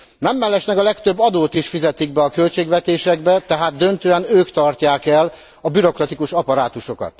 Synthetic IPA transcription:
nɛmːɛlːɛʃnɛkɒlɛkt̪ø̞bːɒd̪oːt̪iʃfizɛt̪iɡ̚bɛɒkø̞lt͡ʃeːɡʋɛt̪eːʃɛɡbɛt̪ɛɦaːd̪ːønt̪øːɛnøːkt̪ɒrcaːkɛl | ɒbyɾo̞krɒt̪ikuʃɒpɒɾaːt̪uʃo̞kɒ̰t̪

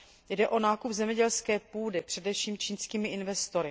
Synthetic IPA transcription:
jdɛʔo̞naːkupzɛmɲɛɟɛlskɛːpuːdɪpr̝̥ɛdɛfʃiːmt͡ʃiːnskiːmɪʔɪnvɛst̪o̞ɾɪ

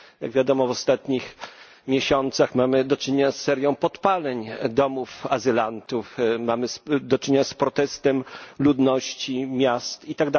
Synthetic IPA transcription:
ja̰ɡvʲjad̪ɔmɔvɔst̪at̪ɲix | mʲjeɕɔnt̪saxmamɘd̪ɔt͡ʂɘɲeɲasːɛɾjɔ̃w̃pɔt̪palɛɲd̪ɔmufazɘlant̪ufmamɘsd̪ɔt͡ʂɘɲeɲaspɾɔt̪ɛst̪ɛmlud̪nɔɕt͡ɕimʲjast̪it̪aɡ̚d̪a

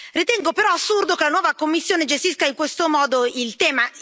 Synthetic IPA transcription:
rit̪ɛŋɡopeɾɔasːurd̪okelanwɔːvakomːisːjoːned͡ʒest̪iskaiŋkwest̪omɔːd̪oilt̪ɛːma

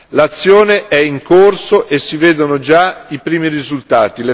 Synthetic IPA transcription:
lat̪sːjoːneʔɛiŋkorsoʔesːiveːd̪onod͡ʒaipɾiːmirizult̪aːt̪ile

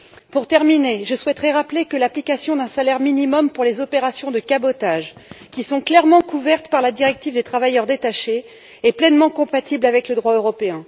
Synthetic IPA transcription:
puʁt̪ɛʁmineʒəswɛt̪χɛʁaplekəlaplikasjɔ̃d̪ɛ̃salɛʁminimɔmpuʁlezɔpeʁasjɔ̃d̪əkabɔt̪aʒkʲisɔ̃klɛʁmɑ̃kuvɛʁt̪paʁlad̪iʁɛk̚t̪ivd̪et̪χavajœʁd̪et̪aʃe | ɛplɛnmɑ̃kɔ̃pat̪iblavɛkləd̪ʁwaøʁɔpeɛ̃

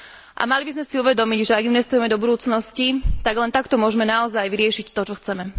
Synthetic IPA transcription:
ʔa̰malibizmɛsiuʋɛd̪ɔmiɟʒɛaɡimɛst̪ujɛmɛd̪ɔbud̪uːt͡snɔscit̪aɡlɛnt̪akt̪ɔmʊɔʒɛmɛnaɔzajʋiɾɪɛʃict̪ɔt͡ʃɔxt͡sɛmɛ

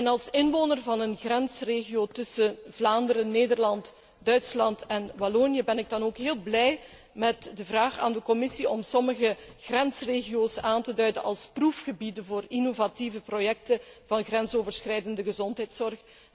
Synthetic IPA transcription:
ɛnɑlˠsɪnʋoːnərvɑnənɣrɛnsreːɣioːtɵsəvlaːndəɾənnːeːdərlɑnt | dœɥtslɑntɛnbɔloːnjəbɛnɪɡ̚dɑnoːkɦeːlˠblɛj | mɛtdəvraːχa̰ːndəkɔmɪsiɔmsɔməɣəɣrɛnsreːɣioːsaːntədœɥdənʔɑlˠsprufxəbidənvoːrinovativəprojɛk̚təvɑnɣrɛnsoːvərsxrɛjdəndəɣəzɔntɦɛjtsɔrx

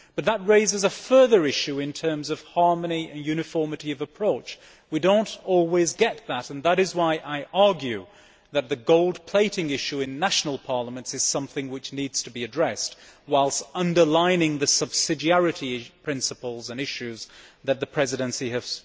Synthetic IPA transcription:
b̥ʌt̪̚ðət̚ɹeɪzɨzəfɜ˞ðə˞ɪʃʉɨ̃ntʰɜ̃˞mzʌv̥hɑɹmɨniɨ̃njʉñɨfɔɹmɨɾiʌvɨpʰɹ̥oʊt͡ʃ | widõʊ̃ntɔlˠwizɡɛt̪̚ðəɾɨ̃nðəɾɨzwaɪʔaɪʔɑɹɡjʉ | ðɨt̪̚ðɨɡoʊlˠd̚pʰl̥eɪɾɪ̃ŋɪʃʉɨ̃nːæʃn̩l̩ˠpʰɑɹlˠəmɨ̃ntsɨz̥sʌ̃mθɪ̃ŋwɨt͡ʃnidz̥tʰɨbiɨdɹɛst̚waɪlˠstʌ̃ndə˞lãɪ̃nɪ̃ŋðɨsʌb̥sɪd͡ʒiæɹɨɾipʰɹ̥ɪ̃nsɨpl̩ˠzɨ̃nɪʃʉzðɨt̪̚ðɨpʰɹ̥ɛzɨɾɨ̃nsiɨv̥

